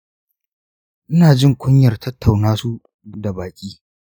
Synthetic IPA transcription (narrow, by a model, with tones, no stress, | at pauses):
ʔɪ˦naː˨d͡ʒɪ˦ŋkʷʊ˦ɲjɐ˨rtʰɐ˦tʰːa˨wnaː˦su˦ | da˨baː˨kʲʼiː˦